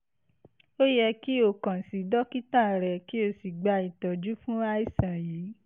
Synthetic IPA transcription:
o˦jɛ˧ki˦o˦˨kã˨si˨dɔ˦ki˦tã˦˨ɾɛ˨ki˦o˦˨si˨ɡ͡ba˧i˨tɔ˨d͡ʒu˨˦fũ˦a˧˦i˦˨sã˨jiː˨˦

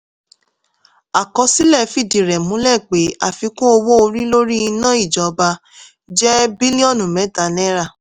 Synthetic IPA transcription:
a˨kɔ˧si˦lɛ˦˨fi˦˨di˨ɾɛ˨mũ˨˦lɛ˦˨k͡pe˨˦a˦˨fi˧˦kũ˦o˧wo˦o˧ɾi˦lo˦ɾi˦i˧nã˦i˦˨d͡ʒɔ˨˧ba˧ | d͡ʒɛ˦bi˦lĩ˦ɔ̃˦˨nũ˨mɛ̃˨˦ta˨˦nɛ̃˦ɾa˦˨

